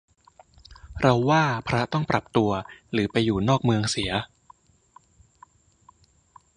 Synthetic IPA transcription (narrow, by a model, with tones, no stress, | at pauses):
ɾa˧wːaː˥˩pʰɾa˦˥t̪ɔ˥˩ŋpɾa˨˩p̚t̪u˧ɐɾɯː˩˦pa˧jːuː˨˩nɔː˥˩k̚mɯ˧əŋsi˩˦ɐ